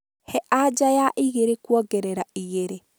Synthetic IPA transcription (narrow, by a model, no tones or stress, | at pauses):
hɛʔad͡ʒajaʔiɣeɾekwɔɡɛɾɛɾaiɣeɾe